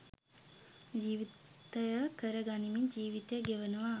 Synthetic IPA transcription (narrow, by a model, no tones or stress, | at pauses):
d͡ʒiːʋit̪əjəkəɾəɡanimiɲd͡ʒiːʋit̪ɐjəɡeʋənuʋa